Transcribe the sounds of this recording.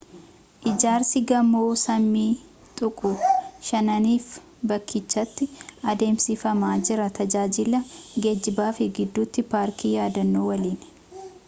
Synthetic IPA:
ʔɪd͡ʒaːɾsɪɡɐmoːsɐmːiː | t̪ʼʊkʼʊʃɐnɐniːf | bɐkʰːɪt͡ʃːɐt̪ːɪʔɐd̪e̞ːmsɪfɐmaːd͡ʒɪɾɐt̪ʰɐd͡ʒaːd͡ʒɪlɐɡed͡ʒːɪbaːfɪɡɪd̪ːuːt̪ːɪpaːɾkʰiːjaːd̪ɐnːoːwɐliːn

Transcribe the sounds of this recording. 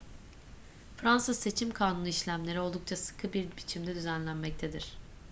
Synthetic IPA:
fɾansɯzse̞t͡ʃʰimkʰaːnunˠiʃlʲæmlʲe̞ɾio̞lˠd̪uk̚t͡ʃʰasɯ̥kʰɯbiɾbit͡ʃʰimd̪ɛd̪yzænlʲænmɛc̚t̪ʰed̪iɾ̥

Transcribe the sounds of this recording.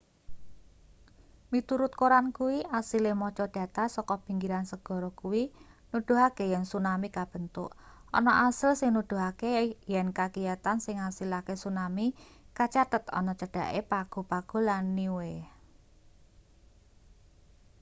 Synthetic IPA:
mit̪uɾʊt̪̚koɾankuwiʔasilemɔt͡ʃɔd̥ä̤t̪asɔkɔpiŋɡiɾansəɡ̥ɔ̤ɾɔkuwinud̪̥ṳɦakejɛnsunamikab̥ə̤nt̪ʊ̰ʔɔ̰nɔʔasəlsɪŋnud̪̥ṳɦakejɛnkakijat̪ansɪŋasilakesunamikat͡ʃat̪ət̪ɔ̰nɔt͡ʃəɖ̥a̤̰ʔepaɡ̥o̤paɡ̥o̤lanːiwe

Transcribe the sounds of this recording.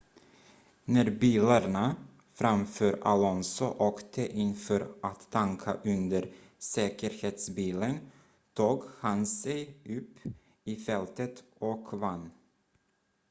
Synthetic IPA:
næɾbiːlaɳa | fɾamfœːɾalɔnsʊʔoːkt̪ʰəʔɪnfœɾʔat̪ʰːaŋkʰa̰ʔɵnd̪əɾ | sɛːkəɾheːt̪sbiːlən | t̪ʰuːɡhansɛjɵpː | iːfɛlt̪ət̪ɔkvanː

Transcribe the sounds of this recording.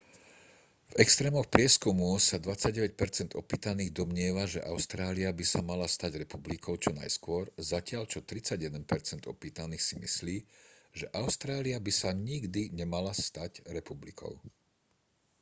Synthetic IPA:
vɛkst̪ɾɛːmɔxpɾɪɛskumusad̪ʋat͡saɟɟɛʋɛc̚pɛɾt͡sɛnd̪ɔpiːt̪aniːɣd̪ɔmɲɪɛʋaʒɛʔaʊst̪ɾaːliabisamalast̪aɟɾɛpublikʰɔʊt͡ʃɔna̰jskʊɔɾzacɪaʎt͡ʃɔt̪ɾit͡saɟjɛd̪ɛnpɛɾt͡sɛnd̪ɔ̰piːt̪aniːxsimḭsliːʒɛʔaʊst̪ɾaːliabisaɲiɡd̪iɲɛmalast̪aɟɾɛpublikʰɔ̰ʊ

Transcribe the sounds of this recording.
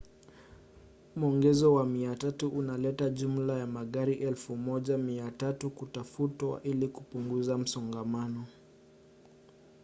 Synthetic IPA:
m̩ɔŋɡɛzɔwamiatatuʔunalɛtaʄum̩lajamaɠaɾiʔɛlfumɔʄamiatatukutafutwa̰ʔilikupuŋɡuzam̩sɔŋɡamanɔ

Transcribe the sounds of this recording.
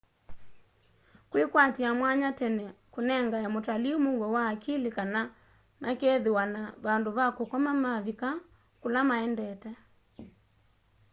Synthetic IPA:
kwekwatiamwaɲatɛnɛkonɛŋɡajamotaliomoɣɡɔwaːkilikana | mʔakeðewanaβandoβakokɔmamaβika | kolamaɛndɛtɛ

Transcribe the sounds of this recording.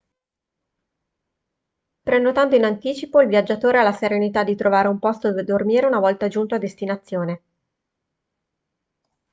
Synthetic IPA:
pɾenːot̪ant̪oinant̪iːt͡ʃipoilvjad͡ʒːat̪oːɾealːaseɾenit̪ad̪ːit̪ɾovaːɾeumpɔst̪od̪ormiːɾeunavɔlt̪ad͡ʒunt̪oad̪ːest̪inat̪sːjoːne

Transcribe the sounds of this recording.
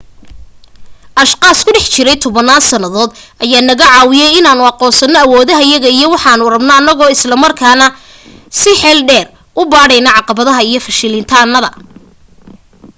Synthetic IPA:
ʔɐʃqɑːskʰʊɖɛħt͡ʃɪɾɛjt̪ʰɔβɐnaːnsɐnɐðɔːd̪ʔɐjaːnɐɣɐʕɑːwɪjɛjɪnaːnʊɑqɔːnsɐnːɔɐwɔːðɐɦɐjɐɣɐijɔwɑħɑːnʊrɐbnɐːnːɐɣɔːɪslɐmɐrkʰaːnɐ | sɪħɛːlɖɛːr | ʔʊbaːɽɛjnɐʕɑqɑβɐðɐɦɐijɞfɐʃɪlɪnt̪ʰaːnːɐðɐ

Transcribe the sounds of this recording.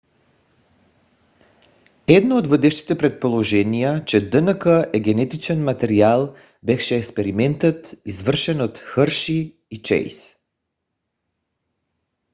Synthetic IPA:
ɛd̪nood̪vəd̪ɛʃt̪i̥t̪ɛpɾɛt̪̚polˠoʒɛnijat͡ʃɛd̪ənəkəʔɛɡɛnɛt̪it͡ʃɛnmat̪ɛɾialˠ | bɛfʃɛːkspɛɾimɛnt̪ət̪izvər̩ʃɛnot̪xəɾʃiː | t͡ʃɛ̰js

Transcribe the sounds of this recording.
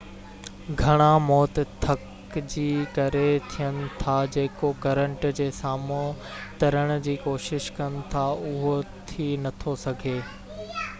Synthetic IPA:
ɡʱɐɽ̃amɔːt̪t̪ʰɐk | d͡ʑiːkɐɾet̪ʰijənɪ̆t̪ʰad͡ʑeːkokɐɾə̃ɳʈd͡ʑeːsaːmo | t̪ɐɾəɽ̃̆d͡ʑiːkoːʃɪʃkɐnɪ̆t̪ʰaʊɦot̪ʰinɐt̪ʰosɐɡʱeː

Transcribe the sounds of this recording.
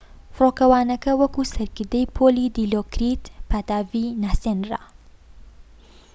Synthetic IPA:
froːkɐwaːnɐkɐwɐkusɐɾkɨɾd̪ɐjpʰoːlid̪iloːkɾit̪pʰaːt̪aːvinaːsenra̰

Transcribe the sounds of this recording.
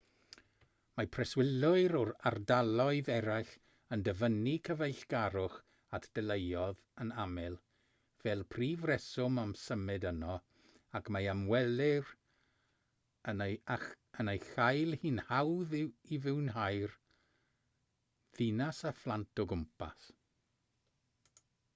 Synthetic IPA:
mapʰrɛswɪlʊɨɾɔɾa̰rdalˠɔɨðɛɾajɬ | əndəvənikʰəvejɬɡ̥aɾʊχ | atʰd̥əlˠejɔð | ənamɛlˠ | v̥ɛːlˠpʰriːvrɛsʊmamsəmɨdənɔ | akʰmajamwɛlɪr | ən | ənejxajlˠhiːnhawðivɪwnɦajr | ðinasaflˠantʰɔɡʊmpʰa̰s

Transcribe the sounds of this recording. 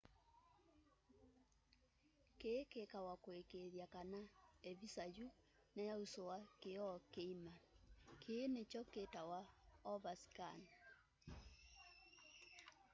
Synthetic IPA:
kekekawakoekeðjakanaevisaju | najausowakeɔkeimakʰeːnet͡ʃɔketawaɔβasi̥kan

